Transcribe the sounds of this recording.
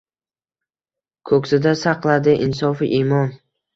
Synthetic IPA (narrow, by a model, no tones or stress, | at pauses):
kʰɵksɪd̪asɑqlˠad̪ɪʔɪnsɒfɪʔimɒn